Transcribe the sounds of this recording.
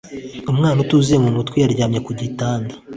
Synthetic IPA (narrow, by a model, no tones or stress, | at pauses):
umŋaːnutuziemunutkwijaɾɟaːmɲe̞kuɟitaːndḁ